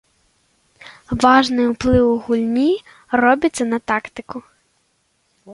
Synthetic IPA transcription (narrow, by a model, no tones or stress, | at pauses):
ʋɑʒnɪʊplˠɪwʊɦulʲnʲi | rɔbʲɪt̪ʲsɛnɐt̪ɑkt̪ɪkʊ